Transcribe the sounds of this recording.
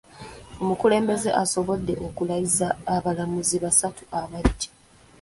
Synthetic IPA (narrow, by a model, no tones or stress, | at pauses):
o̞mukule̞ːmbe̞ze̞ʔaso̞βo̞dːe̞ʔo̞kulaizaːβalamuziβasatuʔaβadːi̥